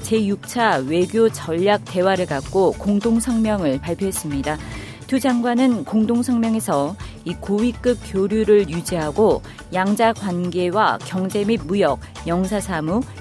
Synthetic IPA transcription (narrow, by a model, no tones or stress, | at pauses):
t͡ɕe̞juk̚t͡ɕʰawe̞ɡjot͡ɕʌʎːak̚t͈e̞waɾɯɭkak̚k͈okoŋdoŋsʰʌŋmjʌŋɯɭpaɭpʰjoɦe̞s͈ɯmɲida | tud͡ʑaŋɡwanɯnkoŋdoŋsʰʌŋmjʌŋe̞sʰʌ | ikowik͈ɯp̚k͈joɾjuɾɯɭjud͡ʑiɦaɡo | jaŋd͡ʑaɡwanɡe̞wakjʌŋd͡ʑe̞mid̚mujʌk̚jʌŋsʰasʰamu